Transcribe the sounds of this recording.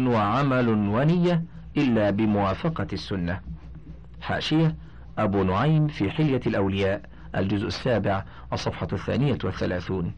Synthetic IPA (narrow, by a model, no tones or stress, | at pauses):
waʕamalʊnwanɪjːa | ʔɪlːaːbɪmʊwaːfɑqɑsːʊnːa | ħa̰ːʃɪja | ʔabuːnʊʕajmfiːħɪljalʔawlɪjaːʔ | ʔa̰ld͡ʒʊzʔasːaːbɪʕ | ʔɑsˤːɑfħɑθːa̰ːnɪjawaθːalaːθuːn